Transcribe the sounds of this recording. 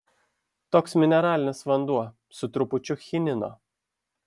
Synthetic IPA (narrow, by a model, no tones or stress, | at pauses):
t̪oːksmʲɪnʲɛɾɑːlʲɪnʲɪsʋɐnd̪uɔ | sʊt̪ɾʊpʊt͡ʃʲʊxʲɪnʲɪno̰ː